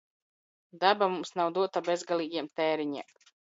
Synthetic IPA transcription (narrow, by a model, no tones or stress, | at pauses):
d̪abamumsnawd̪uɔt̪abezɡalˠiːɡʲiɛmt̪ɛːɾiɲḭɛm